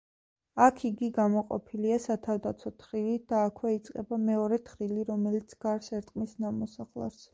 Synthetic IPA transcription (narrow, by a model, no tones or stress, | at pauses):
akʰiɡiɡamɔqʼɔ̰pʰiliasat̪ʰavd̪at̪sʰɔt̪ʰɾilid̪̥aːkʰwɛit̪sʼqʼɛbamɛɔɾɛt̪ʰχɾiliɾɔmɛlit̪sʰɡaɾsɛɾt̪ʼqʼmisnamɔsaχlˠa̰ɾs